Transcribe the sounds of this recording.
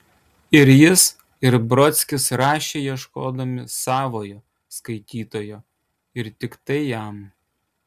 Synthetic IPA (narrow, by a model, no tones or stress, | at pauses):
ɪɾjɪs | ɪɾbɾɔt̪sʲkʲɪsɾɑːʃʲeːjiɛʃkoːd̪ɐmʲɪsɑːʋoːjoː | skɐɪt̪ʲiːt̪oːjoː | ɪɾt̪ʲɪkt̪ɐɪjæm